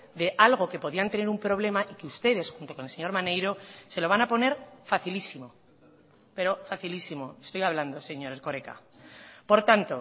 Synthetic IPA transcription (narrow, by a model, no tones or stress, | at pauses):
d̪e̞ʔalɣ̞o̞ke̞po̞ðiant̪e̞ne̞ɾumpɾo̞β̞le̞maʔikeust̪e̞ðe̞sxunt̪o̞ko̞nelse̞ɲo̞ɾmane̞jɾo̞se̞lo̞β̞anapo̞ne̞ɾfaθilisimo | pe̞ɾo̞faθilisimo̞est̪o̞jaβland̪o̞se̞ɲo̞ɾeko̞ɾe̞ka̰ | po̞ɾt̪ant̪o̞